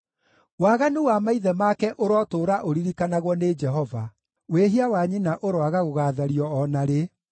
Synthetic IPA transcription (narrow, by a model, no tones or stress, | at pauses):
waːɣanuwamaiðɛmakɛʔoɾɔtoːɾaʔoɾiɾikanaɣwɔned͡ʒɛɦɔva | weɦiawaɲinaʔoɾoaɣaɣoɣaðaɾiɔːnaɾe